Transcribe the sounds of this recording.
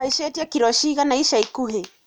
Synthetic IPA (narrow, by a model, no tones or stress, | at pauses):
aiʃɛtiakiɾɔʃiɣanaiʃaikuɦɛ